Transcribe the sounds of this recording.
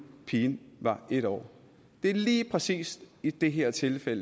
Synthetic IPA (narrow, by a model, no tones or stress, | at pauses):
pʰiːnʋɑ̈ʔe̝ɾ̥ɒ̰ː | d̥e̝ɐliːpʰʁɛsḭːsd̥id̥e̝ɦeɐ̰t͡sʰe̝lfel̰ə